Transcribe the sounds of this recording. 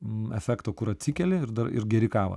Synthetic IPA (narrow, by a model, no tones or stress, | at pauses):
ɛfʲæːkt̪oːkʊɾɐt̪ʲsʲikʲɛlʲeɪɾd̪ɐɾɪ̰ɾɡʲɛɾʲɪkɑːʋɐ̰